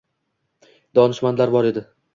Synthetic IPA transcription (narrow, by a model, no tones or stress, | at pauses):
d̪̥ɒnɪʃmanlaɾbɒɾe̞d̪ɪ